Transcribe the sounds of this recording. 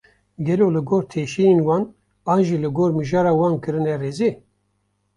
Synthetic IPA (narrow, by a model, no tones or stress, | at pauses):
ɡɛloːlɨɡoːɾt̪ʰeːʃijenwɑːn | ɑːnʒiːlɨɡoːɾmɨʒɑːɾɑːwɑːnkɨɾɨnɛreːze